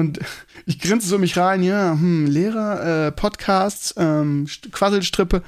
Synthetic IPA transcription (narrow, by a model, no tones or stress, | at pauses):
ʔʊntʔɪçɡ̥ʁɪnt͡səsʊnmɪçʁaɪnjaːmm̩leːʁɐʔɛːpʰɔtkʰaːstʔɛːmʃkv̥azl̩ʃtʁ̥ɪpə